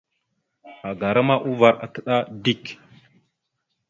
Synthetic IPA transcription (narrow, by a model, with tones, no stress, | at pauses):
a˨ɡa˨ɾa˦ma˦ʔu˦va˨ɾa̰˨tə˨ɗa˦di˦˨k